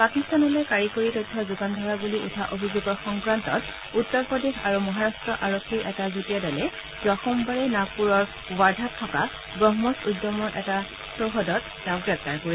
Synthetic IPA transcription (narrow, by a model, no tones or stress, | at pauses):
pakistanɔlojkaɹikoɹitɔjtʰːɔzuɡandʱɔɹabuliʔṵtʰaʔobʱizoɡɔɹxɔŋpɹantɔ̰t | utːɔɹpɹɔdexaɹumɔɦaɹastɹɔʔaɹokʰːiɹʔɛtazutijadɔlɛ | zwaxɔmbaɹɛnapuɹɔɹ | waɹdʱatʰːɔka | ɡɹɔɦmɔsudːɔmɔɹʔɛta | soxɔdɔt̚ːɛʊ̃ɡɹɛp̚taɹkoɹi